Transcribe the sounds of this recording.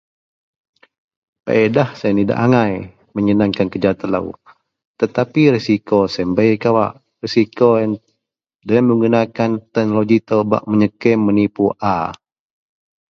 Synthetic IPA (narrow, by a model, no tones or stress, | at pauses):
pə̰ʔedahsajanida̰ʔaŋaj | məɲənaŋkankəd͡ʒat̪əla̰w | t̪ət̪apiɾisikosəmbəjkawa̰ʔ | risikojan | dəamːəŋɡunakant̪ɛhnoloɡit̪əba̰ʔməɲəkɛmənipuʔa